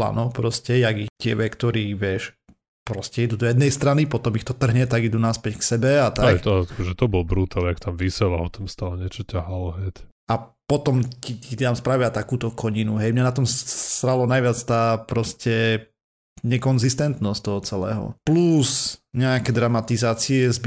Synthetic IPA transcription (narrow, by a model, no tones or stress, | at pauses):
la̰nɔpɾɔscɛjaɡit̪ɪɛ̰ʋɛkt̪ɔɾiːʋɪɛʃ | pɾɔscɛid̪ud̪ɔjɛd̪nɛjst̪ɾanipɔt̪ɔmixt̪ɔt̪r̩ɦɲɛt̪aɡid̪unaspɛcksɛbɛat̪akɛt̪akɔʒɛt̪ɔbɔlbɾut̪alakt̪amʋisɛlaɦɔt̪amst̪alɛɲɪɛt͡ʃɔcaɦalɔɦɛc | apɔt̪ɔmciit̪amspɾaʋɪat̪akuːt̪ɔkʰɔɲinuɦɛjmɲanat̪ɔmsɾalɔnajʋɪat͡st̪aːpɾɔscɛ | ɲɛkɔnzist̪ɛnt̪nɔst̪ɔɦɔt͡sɛlɛ̰ːɦɔ̰plusɲɛakɛd̪ɾamat̪izaːt͡siɛzb